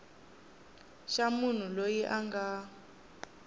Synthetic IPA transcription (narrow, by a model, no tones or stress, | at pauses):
ʃamun̤ulojiʔaŋɡa